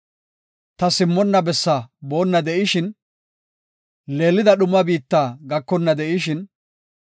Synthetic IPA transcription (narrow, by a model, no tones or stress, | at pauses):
t̪ɐsɪmːɔnːɐbɛsːabo̞ːnːɐd̪ɛʔɪʃɪn | le̞ːlːɪd̪ɐɗʊmːɐbiːt̪ːaːɡɐkːɔnːɐd̪ɛʔɪʃɪn